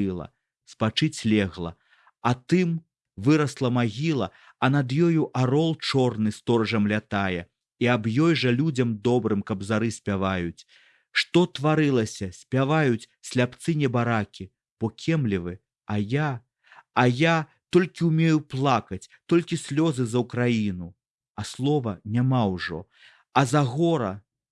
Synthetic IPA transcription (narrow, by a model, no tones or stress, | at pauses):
lˠɐ̰ | spat͡ʂɨt͡sʲlʲɛɣlˠɐ̰ | ɐt̪ɨm | vɨɾɐslˠɐmaɣʲilˠɐ | ɐnɐd̪jɔjuʔaɾɔlˠt͡ʂɔrnɨst̪ɔɾɐʐɐmlʲat̪ajɛ | iabjɔjʐɐlʲud͡zʲɐmd̪ɔbɾɨmkɐbzaɾɨsʲpʲavajut͡sʲ | ʂt̪ɔt̪vaɾɨlˠɐsʲɐsʲpʲavajut͡sʲ | sʲlʲapt̪sɨnʲɛbaɾakʲi | b̥ɔkʲʰɛmlʲivɨ | ɐjaː | ja | t̪ɔlʲkʲiumʲejuplˠakɐt͡sʲt̪ɔlʲkʲisʲlʲɔzɨzɐwkɾajinu | ɐslˠɔvɐnʲamawʐɔ̰ | ɐzaɣɔɾɐ